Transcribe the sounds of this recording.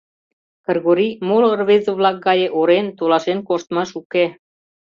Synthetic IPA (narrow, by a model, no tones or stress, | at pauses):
kə̆rɣoɾimolorβezə̆βlɑk̚ɡɑjeʔoɾent̪olɑʃenkoʃt̪mɑʃuke